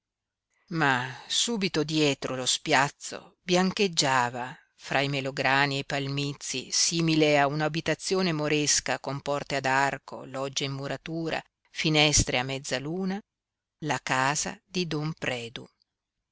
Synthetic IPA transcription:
masuːbit̪od̪jɛːt̪ɾolospjat̪sːo̰bjaŋked͡ʒːaːva | fɾʔaimeloɡɾaːniejpalmit̪sːḭsiːmileaunabit̪at̪sːjoːnemoɾeskakompɔrt̪ead̪arkʰo̰lɔd͡ʒːaimːuɾat̪uːɾa̰ | finɛst̪ɾeamːɛd̪zːaluːna | lakaːza̰d̪id̪ɔmpɾɛːd̪u

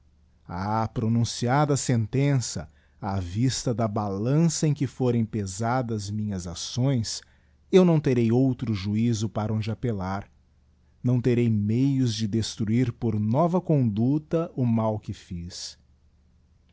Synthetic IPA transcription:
apɾonũsiad̪ɐsẽnt̪ẽsɐ | avist̪ɐd̪ɐbalɐ̃sɐẽj̃kɪfoɾẽj̃pezad̪ɐzmĩɲɐzasõj̃s | ewnɐ̃w̃t̪eɾejowt̪ɾʊʒuizʊpaɾɐõd͡ʒɪapelaɾ | nɐ̃w̃t̪eɾejmejʊzd͡ʒɪd̪est̪ɾuiɾpoɾnɔvɐkõnd̪ut̪ɐʔʊmawkɪfis

